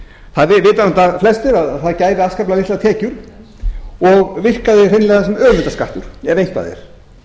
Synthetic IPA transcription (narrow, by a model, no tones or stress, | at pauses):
θaðvɪvɪːt̪anɔt̪aflɛst̪ɪɾaðθaðcaːjvɪaskaplavɪht̪lat̪ʰɛːcʏɾ̥ | ɔɣvɪr̥kaðɪrejnlɛɣðasɛmœːvɪnt̪askaht̪ʏ̰ɾ̥ɛvejŋ̥k̪pa̰jðɪ̰ɾ̥